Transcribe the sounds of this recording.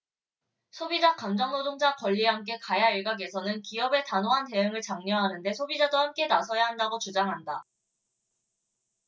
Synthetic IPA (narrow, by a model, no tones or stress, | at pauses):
sʰobid͡ʑakamd͡ʑʌŋnodoŋd͡ʑakʌʎːiɦamk͈e̞kajaiɭɡaɡe̞sʰʌnɯnkiʌbe̞tanoɦante̞ɯŋɯɭt͡ɕaŋɲʌɦanɯnde̞sʰobid͡ʑadohamk͈e̞nasʰʌjaɦandaɡot͡ɕud͡ʑaŋɦanda